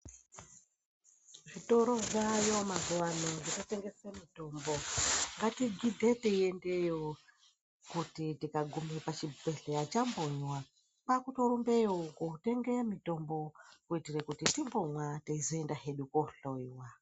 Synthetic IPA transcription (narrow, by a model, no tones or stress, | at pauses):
ʐitoɾoʐajo̞mazuwanoditoteŋɡesemitomboŋɡatiɡʱidʱeteiendejo | kutitikaɡʱumepat͡ʃibe̞ɬeat͡ʃamboɲwa | pakuto̞ɾumbejokouteŋɡemito̞mbo̞kuitirekutitimbomwateizoendaɦeɗukoɬoiwa